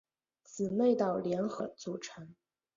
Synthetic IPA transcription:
t͡sɹ̩˨˩me˥˧ɪt̪ɑ˥˩ʊljɛ˧˥nxɤ˧˥t͡su˨˩ʈ͡ʂʰə˧˥n

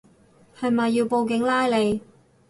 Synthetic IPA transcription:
hɐ˨˧jmɐ˨jːiː˧wpo˧wk̬ɪ˨˥ŋlaː˥jle˨˧j

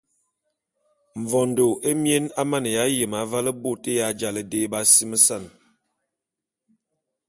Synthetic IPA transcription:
ɱ˨vɔ˨ndo˨ʔe˦mje˦na˦ma˦˨nə˨ja˨˦jə˨ma˨˦va˦lə˦bo˦˨te˦ja˨˦d͡ʒa˨lə˨de˦ba˦si˦mə˦sa˦˨n

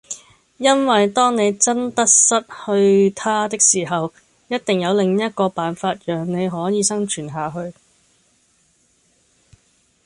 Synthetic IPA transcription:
jɐ˥nwɐ˨jt̪ɔː˥ŋne˨˧jt͡sɐ˥nt̪ɐ˥t̚sɐ˥t̚hɵ˧ɥt̪ʰaː˥t̪ɪ˥k̚siː˨˩ɦɐ˨w | jɐ˥t̚t̪ɪ˨ŋjɐ˨˧wlɪ˨ŋjɐ˥t̚kɔː˧paː˨˩nfaː˧t̚jœː˨˩ŋne˨˧jɦɔː˨˥jiː˨˧sɐ˥ŋt͡ʃʰyː˨˩nɦaː˨ɦɵ˧ɥ

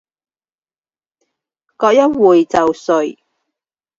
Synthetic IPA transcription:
kɔː˧k̚jɐ˥t̚wuː˨jt͡sɐ˨wsɵ˨˩ɥ

